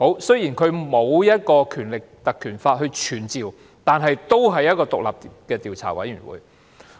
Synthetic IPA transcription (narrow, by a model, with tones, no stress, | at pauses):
ho˨˥wsɵ˥ɥji˨˩nkʰɵ˨˧ɥmo˨˧wjɐ˥t̚kɔː˧kʰyː˨˩nlɪ˨k̚t̪ɐ˨kʰːyː˨˩nfaː˧t̚ɦɵ˧ɥt͡ʃʰyː˨˩nt͡siː˨w | t̪aː˨nɦɐ˨jt̪o˥wɦɐ˨jːɐ˥t̚kɔː˧t̪ʊ˨k̚la̰ː˨p̚kɛː˧t̪iː˨wt͡sʰa̰ː˨˩wɐ̰˨˥jɥyː˨˩nwṵː˨˥j